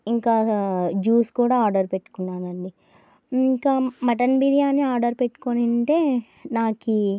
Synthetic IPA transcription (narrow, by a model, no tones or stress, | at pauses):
iŋkaːd͡ʒuːskuːɽaːaːɾɖɐɾpe̞ʈːu̥kunːaːnɐɳɖi | ikaːmɐʈɐnbiɾijaːniaːɾɖɐɾpeʈːu̥koːnɐɳʈe̞ː | naːki